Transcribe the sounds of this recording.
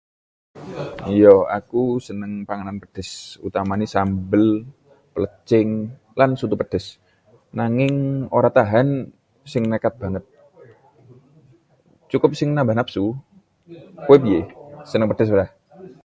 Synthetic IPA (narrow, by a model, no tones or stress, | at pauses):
jɔa̰kusənəŋpaŋananpəd̥ɛ̤sṵt̪amanisambəl | pələt͡ʃɪŋ | lansut̪upəd̥ɛs | naŋɪŋoɾat̪aɦan | sɪŋnəkat̪̚b̥a̤ŋət̪̚ | t͡ʃukʊp̚sɪŋnabanap̚su | kuwepijesənəŋpəd̥ɛs̬bəɾah